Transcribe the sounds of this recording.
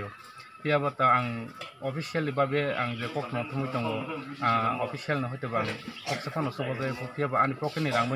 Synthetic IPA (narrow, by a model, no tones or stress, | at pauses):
ɔ | pʰijabataaŋɔpʰisialibabɛa̰ŋzɛkɔk̚tʰmɔŋtʰɔmɔjtɔŋɡɔaɔpʰisialnaɦɔjtabaanikʰɔksepʰɔnɔsɔbɔzapʰɔpʰijabaanipʰɔkeniɾaŋba